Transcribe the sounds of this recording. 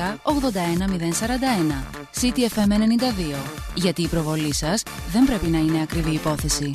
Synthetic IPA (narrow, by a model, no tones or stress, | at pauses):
ɐoɣðo̞nd̪ɐe̞nɐmiðe̞nsɐɾɐnd̪ɐe̞nɐ | sit̪iefe̞mene̞nind̪ɐðio̞ʝɐt̪iːpɾo̞vo̞lisɐsðe̞mbɾe̞pinɐine̞ɐkɾiviːpo̞θe̞si